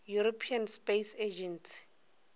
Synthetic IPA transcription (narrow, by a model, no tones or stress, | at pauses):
juɾopʰianspesed͡ʒɛnsi̥